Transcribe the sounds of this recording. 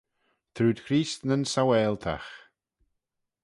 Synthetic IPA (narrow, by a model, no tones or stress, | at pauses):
t̪ʰɾuːd̪̥kʰɾiːst̪nənsawɛːlˠt̪ʰa̰x